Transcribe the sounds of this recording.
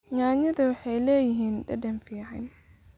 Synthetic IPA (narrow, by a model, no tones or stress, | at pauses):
ɲaːɲɐðɐwɑħɑjlɛːjɪɦiːnɖɐdɐnfiːʕɑn